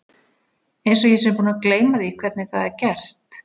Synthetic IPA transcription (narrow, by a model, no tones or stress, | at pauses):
ejnsɔjɛs̬ɛmpuːnakleːjmaðiikʰvɛɾt̪nɪθaðɛɾcɛr̥t̪